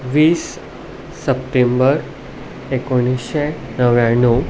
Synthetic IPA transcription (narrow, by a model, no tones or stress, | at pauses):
ʋiːsː | əpʈembəɾ | ekoɽ̃isɕe | nəʋjãɳːu